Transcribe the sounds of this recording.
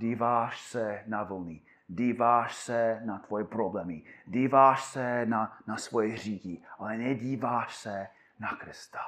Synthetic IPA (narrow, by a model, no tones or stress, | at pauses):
diːvaːʃsɛnavl̩ni | diːvaːʃsɛnat̪vojɛpɾoblɛːmɪdiːvaːʃsɛnanasvojɛr̝iːciʔalɛnɛɟiːvaːʃsɛ | nakɾɪst̪ḁ